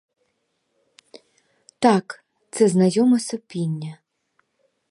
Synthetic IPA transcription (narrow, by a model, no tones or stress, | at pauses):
t̪ɑk | t̪sɛznɐjɔmɐsɔpʲinʲːɐ